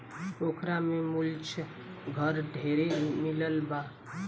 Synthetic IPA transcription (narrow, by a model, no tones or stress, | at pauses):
okʰɾamemult͡ʃʰ | ɡʱəɾɖʱeɾemiləlba